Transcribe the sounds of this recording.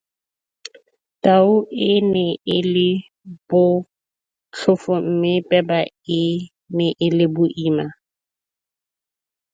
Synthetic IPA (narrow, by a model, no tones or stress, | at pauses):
tʼaʊʔɪnɛɪlɪ | b̥ʊ | t͡ɬʰʊfʊm̩mɪpʼɛba | ɪ | nɪʔɪlɪbʊʔiːma